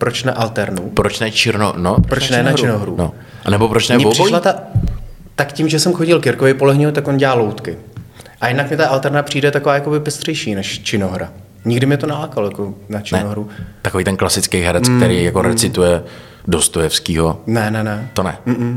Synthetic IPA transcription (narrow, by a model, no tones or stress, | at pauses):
pɾot͡ʃnaʔalt̪ɛɾnupɾot͡ʃnɛt͡ʃɪɾnonopɾopɾɾont͡ʃnɛnaɾt͡ʃɪnoɦɾṵno | ʔanɛbopɾot͡ʃnɛɲɛvosɪʃlat̪a | t̪akcɪmʒɛsɛmxoɟɪlkɪɾkovɛjpolɛɦɲɪut̪akʔonɟɛlaːlowt̪kɪʔajɪdnakmɛt̪aʔalt̪ɛɾnapr̝̥iːdɛt̪akovaːjakobɪpɛst̪r̝̥ɛjʃiːnɛʃt͡ʃɪnoɦɾa | ɲɪɡdɪmɲɛt̪onɛlaːkalojakonat͡ʃɪɛnoɦɾut̪akoviːt̪ɛnklasɪt͡skejɦɛɾɛt͡sk̚t̪ɛɾijjakoɾɛt͡sɪt̪ujɛ | dost̪ojɛfskiːɦonɛnɛnɛt̪onɛ̰m̩ːm̩